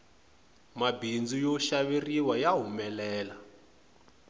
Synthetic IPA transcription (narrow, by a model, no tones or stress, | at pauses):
mabind͡zujɔʃaβiriwajaɦumɛlɛːla